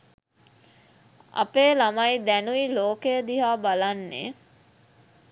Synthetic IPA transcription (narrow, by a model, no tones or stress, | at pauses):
a̰peːlamɐjd̪ænuiloːkejəd̪iɦaːbalanːḛː